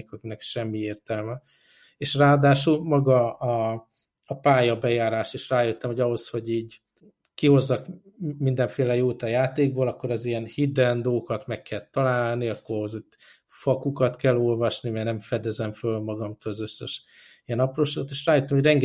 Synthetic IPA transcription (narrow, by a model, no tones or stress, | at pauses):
kɒkinɛkʃɛmːieːrt̪ɛlmɛ | eːʃraːɒd̪aːʃulmɒɡɒː | ɒpaːjɒbɛjaːɾaːʃt̪eːʃraːjøt̪ːɛmo̞ɟɒɦo̞sho̞ɟiːɟ | kiho̞zːɒk | mind̪ɛɱfeːlɛjoːt̪ɒjaːt̪eːɡ̚boːlɒkːo̞ɾɛzijɛnhid̪ɛnd̪oːkɒt̪mɛkːɛlt̪ːɒlaːlniɒkːoozot̪ | fɒkukɒt̪kɛlːo̞lvɒʃnimɛɡnɛɱfɛd̪ɛzɛɱfølmɒɡɒmt̪ɒɒzø̞sːɛʃ | ijɛnɒproːʃot̪eːʃraːjut̪ːɒmhoɟrɛŋɡ